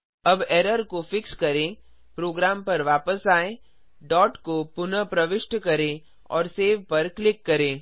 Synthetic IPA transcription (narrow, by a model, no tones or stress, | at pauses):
ɐbeːɾəɾkofɪkskɐɾẽ | pɾoːɡɾaːmpɐɾʋaːpəsaːẽ | ɖɔːʈkopʊnəpɾɐʋɪʃʈkɐɾẽ | ɔ̰ːɾseːʋpɐɾklɪkːɐɾẽː